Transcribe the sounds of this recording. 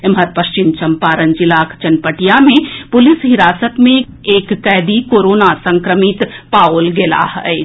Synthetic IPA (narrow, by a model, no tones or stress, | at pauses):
emɦəɾpəst͡ʃimt͡ʃɐmpaːɾənd͡ʒilakʰt͡ʃɐnpəʈijamẽpʊlisɦiɾaːsət̪mẽ | eːkːɛd̪ikoːɾoːnasə̃ŋkɾəmit̪paolɡela̰ɦə